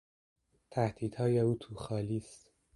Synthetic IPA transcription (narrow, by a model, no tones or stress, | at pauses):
t̪ʰæhd̪iːd̪̥hɒːjeuːt̪ʰuːxɒːliːst̪